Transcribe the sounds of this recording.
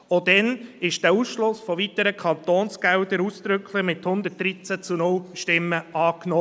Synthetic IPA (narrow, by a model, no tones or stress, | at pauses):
od̥̪ɛnɪʃd̥æːuːsʃlʊsfɔvit̪əɾəkʰɑnt̪oːnsɡ̥ɛwd̪əɾuːsd̪̥ɾʏkʰlɪmɪthʊnd̪ət̚d̥ɾit͡sæt͡sunʊlʃtɪmːəʔɑːknɔː